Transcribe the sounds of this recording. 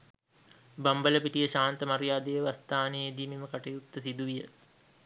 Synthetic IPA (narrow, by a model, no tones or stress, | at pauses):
bambələpiʈijəʃaːnt̪əmaɾijaːd̪ejəʋast̪aːneed̪iːmeməkaʈɐjut̪ːəsid̪uʋijə